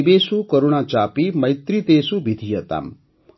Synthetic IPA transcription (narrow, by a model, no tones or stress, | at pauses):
besukəɾuɽ̃ãt͡ʃapiməjt̪ɾit̪esubid̪ʱijət̪a̰m